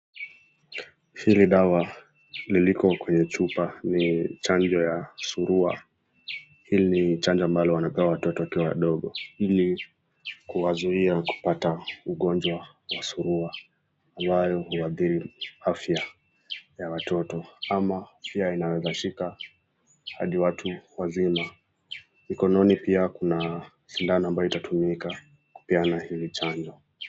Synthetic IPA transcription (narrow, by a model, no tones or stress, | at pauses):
hiliɗawa | lilikɔkwɛɲɛt͡ʃupanit͡ʃand͡ʒɔjasuɾua̰ | hilinit͡ʃand͡ʒɔambalɔwanapɛwawatɔtɔwakiwawa̰ɗɔɠɔili | kuwazuiaku̥patauɠɔnd͡ʒwa | wasuɾuaː | mbajɔhuwaðiɾiafja | jawatʰɔtɔamaafjainawɛzaʃika | haɗiwatʰuwazima | mikɔnɔnipiakuna | ʃindanɔambajɔitatumika | ku̥pianahiit͡ʃand͡ʒɔ